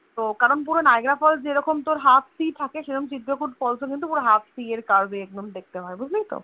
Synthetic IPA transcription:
t̪okaɾonp̬uɾonaeɡɾafɔld͡ʑeɾɔkomt̪oɾɦat̪ʰsiʈ̪ʰakeʃeɾomt͡ɕid̪ɾokuʈpɔlsʰokint̪upuɾoɦat̪sieɾkaɾbeɛk̚d̪omd̪ek̚t̪eɦɔebud͡ʑʱlejt̪o̰

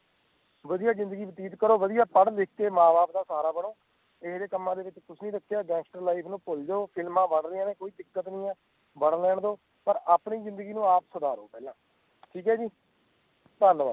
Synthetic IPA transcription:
ʋəd̪ijaːzɪ̃nd̪əɡiːʋɪt̪iːt̪kəɾoːʋəd̪ijaːpəɽlɪkʰkeːmãːbaːp̚d̪aːsaːɾaːbəɽ̃oː | ɪsd̪eːkəmːãːd̪eːʋɪt͡ʃkʊsʰnĩːɾəkʰːjaːɡɛ̃ːsʈəɾlaːipʰnũːpʊld͡ʒoːpʰɪlmãːbəɽɾɪjãːnẽːkoːiːd̪ɪkːət̪nĩːɛ̃ː | bəɽlɛːɳd̪oː | pəɾaːpɳiːzɪ̃nd̪əɡiːnũːaːpsʊd̪aːɾo̰ːpɛːlãː | ʈʰiːkɦɛːd͡ʒiː | t̪ənʋaː

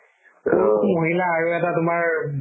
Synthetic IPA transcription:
moɦilaːɹuɛtatʊmaɹ

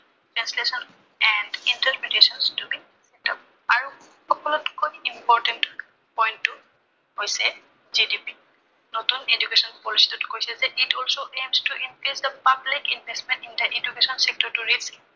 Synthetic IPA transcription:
tɹɛ̃nslesɔn | ɛndintəɹpɹetesɔnstubi | sɛtɔp̚ | aɹu | xɔkɔlɔtkojimpɔɹtɛnt | pɔjntːu | ɦojsɛ | zidipi | notuned͡ʒukesɔnpɔlisi̥tʊtkojsiɛzɛʔitɔlsoʔemstuʔinkɹizdəpablikinbʱestmɛ̃ntindəʔedukesɔnsek̚tɔɹtuɹilsi

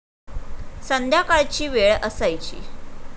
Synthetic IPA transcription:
sənd̪ʱjakaɭt͡ɕiːʋeɭəsajt͡ɕḭː

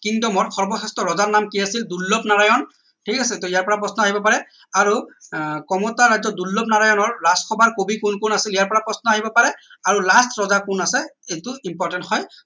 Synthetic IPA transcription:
kiŋdɔmɔtkʰɔɹbɔsɛstɔɹɔzaɹnamkiasildulːɔpnaɹajɔn | tʰikasɛtɔijaɹpɔɹapɹɔsnɔaɦibɔpaɹɛ | aɹukɔmɔtaɹazɔdulːɔpnaɹajɔnɔɹːaskʰɔbaɹkobikunkunasilijaɹpɔɹapɹɔsnɔaɦibɔpaɹɛaɹulastɹɔzakunasɛejtuimpɔɹtɛnthɔj

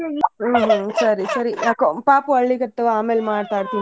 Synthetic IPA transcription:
ɦsɐɾisɐɾiakopaːpuɐɭːikɐt̪ːɐʋaːmeːlmaːɽt̪aːɽt̪iːn

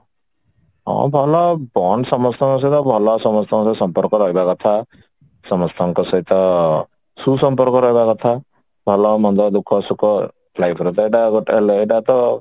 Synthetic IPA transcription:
ɦɔ̰̃bʱɔlɔbɔɳsɔmɔst̪ʰɔ̃ŋkɔs̬ʌjt̪ɔbʱɔlɔsɔmɔst̪ʰɔ̃ŋssɔmpɔɾkɔɾɔɦibakɔt̪ʰa | sɔmɔst̪ʰɔŋkɔsɔit̪ɔ | susɔmpɔɾkɔɾɔɦibakɔt̪ʰa | bʱɔlɔmɔnd̪ɔd̪ukʰːɔsukɔ | lajpʰɾɔt̪aiʈaɡɔʈeleɖat̪ɔ

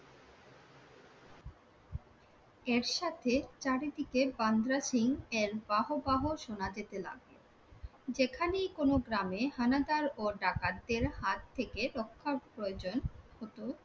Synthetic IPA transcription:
eɾʃat̪ʰet͡ɕaɾed̪ikeband̪ɾaʃiŋeɾbaɦobaɦoʃonad͡ʑet̪ela̰ɡlo | d͡ʑekʰanejkonoɡɾamehanad̪aɾoɖakad̪eɾhat̪t̪ʰːekeɾokʰːapɾojod͡ʑonhot̪o

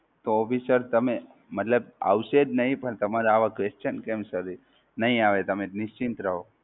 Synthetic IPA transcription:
t̪oɔpisəɾt̪əme | mət̪ləba̰ʋʃed͡ʒnəɦĩpəɳt̪əmaɾaʋakʋest͡ʃənkemsəɾ | nəɦĩaʋet̪əmenɪʃt͡ʃint̪ɾəɦo

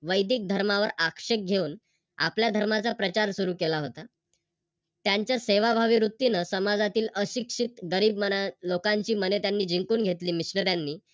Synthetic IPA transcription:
ʋəjd̪iːk̚d̪ʱəɾmaʋəɾakʂek̚ɡʱeuːn | a̰pljad̪ʱəɾmat͡sapɾət͡ɕaɾsuɾuːkelaɦot̪a | t̪jaɲt͡ɕjaseʋabʱaʋiːɾut̪ːinəsəmad͡zat̪iːləɕikʂit̪ɡəɾiːb̚mənalokãɲt͡ɕiːmənet̪janːiːd͡ʑiŋkuːnɡʱet̪liːmisnəɾjanːiː

